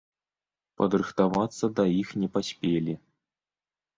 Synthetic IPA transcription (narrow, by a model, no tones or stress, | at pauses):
pɐ̰d̪rɨxt̪aʋɑt̪sɤd̪ɑixnʲepasʲpʲelʲi